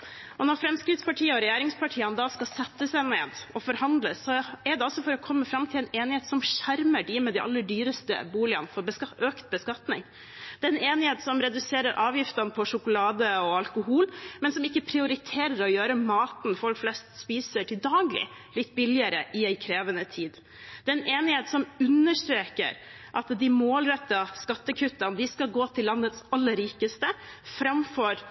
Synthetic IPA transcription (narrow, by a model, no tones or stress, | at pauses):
ɔnɔɾfɾɛmskɾɪd̪spɑʈʰiːəɔɾɛjæːɾɪŋspʰɑʈʰiːənəd̪ɑskɑsɛt̪ːəsæɪneːd̪ɔfɔɾhɑnd̪ləsːɔɛɖ̪ɛɔsɔfɔɾɔkʰɔmːəfɾɑmt̪ʰɪlɛneːnɪheːt̪sɔmʃæɾməɖiːmɛd̪ɛɪʔɑ̰lːəɖyːɾəst̪ə̰buːlɪɑ̰nfɔɾbəsʔøːkt̪̚bəskɑt̪nɪ̰ŋ | d̪̥ɛɛneːnɪheːt̪sɔmɾɛd̪ʉseːɾəɾʔɑːʋjɪft̪ɑnəpʰɔʂʊkʊlɑːd̪əɔɑlkʊhuːlmɛnsɔmɪkːəpʰɾɪʊɾɪt̪ʰeːɾəɾɔjøːɾəmɑːt̪n̩fɔlkflɛst̪spiːsəʈʰɪld̪ɑːɡlɪ̰ | lɪt̪ːbɪlɪəɾəʔɪæɪkʰɾeːʋənət̪ʰiːd̪ | d̪ɛɛnʔeːnɪheːt̪sɔmʉnːəʂt̪ɾeːkə̰ɾ | ʔɑt̪d̪ɪmoːlɾœt̪ːɑskɑt̪ːəkʰʉt̪ːɑnd̪ɪskɑlɡoːt̪ʰɪlːɑnːət̪sɑlːəɾːiːkəst̪əfɾɑmfɔɾ